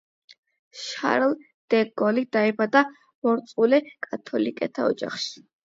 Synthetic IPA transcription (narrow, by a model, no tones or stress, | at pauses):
ʃa̰ɾlˠ | d̪̥ɛɡɔlid̪̥aɛbad̪a | mɔɾt̪sʼulɛkʼat̪ʰɔlikʼɛt̪ʰaɔ̰d͡ʒa̰χʃi̥